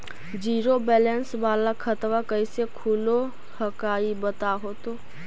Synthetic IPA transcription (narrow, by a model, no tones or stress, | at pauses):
d͡ʒiːɾobɛːlɛnsʋaːlakʰət̪ʋakəisekʰulo | həkaːibət̪aɦoːt̪oː